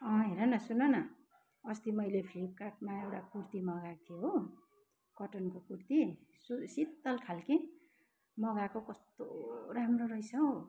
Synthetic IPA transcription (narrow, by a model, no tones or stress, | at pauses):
ʌ̃ɦeɾʌnʌsunʌnʌ | ʌst̪imʌjlepʰlib̚kaʈ̚maewʈakurt̪imʌɡakʰeɦo | kʌʈʌnkokurt̪isusit̪ːʌlkʰalkĩ | mʌɡakokʌst̪oɾamroɾʌjsʌw